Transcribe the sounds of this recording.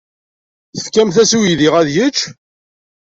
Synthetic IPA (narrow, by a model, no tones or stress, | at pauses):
θə̥fkːæmθæsuwiðiʁæðjət͡ʃː